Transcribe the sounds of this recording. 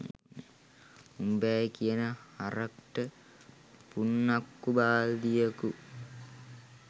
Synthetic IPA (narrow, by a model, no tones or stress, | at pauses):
umbæːjkijənəhaɾəkʈə | punːakːubaːld̪ijəku